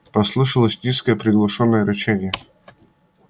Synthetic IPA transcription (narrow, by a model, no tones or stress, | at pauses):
pɐslˠɨʂəlˠəsʲnʲiskəjəpɾʲɪɡlˠɐʂonːəjəɾɐt͡ɕænʲɪjə